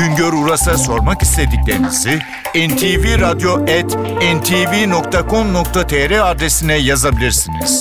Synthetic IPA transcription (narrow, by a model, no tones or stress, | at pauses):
yɲɟøɾuɾasaso̞ɾmakist̪ʰe̞d̪iclʲe̞ɾinizi | ɛnt̪ʰiviɾad̪jo̞ʔɛt̪ɛnt̪ʰivino̞kt̪ʰakʰo̞mno̞kt̪ʰat̪ʰeɾɛaɾd̪esinɛjazabilʲiɾsinḭz̥